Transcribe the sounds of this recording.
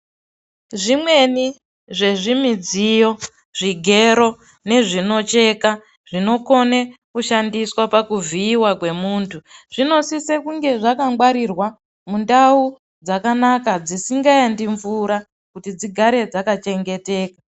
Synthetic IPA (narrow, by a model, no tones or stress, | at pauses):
ʐimwe̞ni | ʐe̞ʐimid͡zijo̞ | ʐiɡʱe̞ɾo̞ | ne̞ʐino̞t͡ʃe̞ːka | ʐ̥ino̞ko̞nekuʃandiswapakuviːwakwe̞muːntʰuʐ̥ino̞sisekuŋɡe̞ʐakaŋɡwaɾirwa | mundau | d͡zakanakad͡zisiŋɡajandiɱvuɾa | kutid͡ziɡʱaɾe̞d͡zakat͡ʃe̞ŋɡe̞te̞ːkḁ